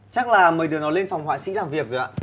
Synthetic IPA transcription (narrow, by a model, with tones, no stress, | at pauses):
t͡ɕa˦˥k̚laː˨˩məː˨˩jɗɨ˨˩ənɔ˨˦jle˧nfa˨˩wŋ͡mhwa̰ː˧˨sḭ˧˥laː˨˩mvi˨˩ək̚zo˨˩ʔa̰ː˧